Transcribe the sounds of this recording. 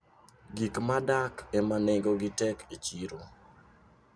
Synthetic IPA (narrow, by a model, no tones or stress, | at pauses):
ɡikmadakemaneŋɡoɡɪtɛkʰet͡ʃiɾo